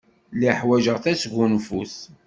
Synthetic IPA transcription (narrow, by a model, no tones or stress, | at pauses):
liħwæʒəʁθæsʝunfuθ